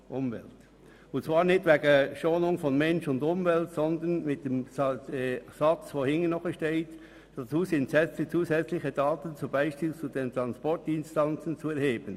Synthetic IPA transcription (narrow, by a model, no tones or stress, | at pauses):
ʔʊmvɛ̰lt | ʊntt͡svaːɾnɪtvɛːɡəʃoːnʊŋfɔnmɛnʃʊndʊmvɛltsɔndənmɪt̚d̥eːm | sat͡svoːhɪŋənɔχəʃteɪt | d̥at͡suːsɪntsɛt͡st͡suːzɛt͡slɪçəd̥aːtənt͡sub̥aɪʃpiːlt͡sudeːntʁɑnspɔɹtɪnstant͡sənt͡suɛɾheːb̥ən